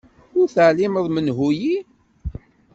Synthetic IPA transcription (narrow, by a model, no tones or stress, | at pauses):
ʊɾθəʕliməðˤmənɦuji